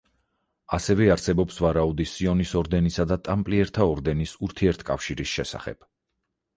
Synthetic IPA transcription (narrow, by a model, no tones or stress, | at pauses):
asɛvɛaɾsɛbɔpsvaɾaud̪isiɔnisɔɾd̪ɛnisad̪at̪ʼampʼliɛɾt̪ʰaɔɾd̪ɛnisuɾt̪ʰiɛɾt̪ʰkʼa̰fʃiɾisʃɛsa̰χɛ̰b̥